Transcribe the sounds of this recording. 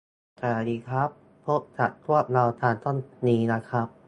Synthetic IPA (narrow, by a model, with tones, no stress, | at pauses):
k̪a˨˧˩diː˧kʰɾa˦˥pʰː | o˦˥p̚t͡ɕʰa˨˩t̪̚kʰɾu˥˩əp̚ɾa˧wt̪ʰaː˧nt̪o˥˩nːiː˦˥na˦˥kʰɾa˦˥p̚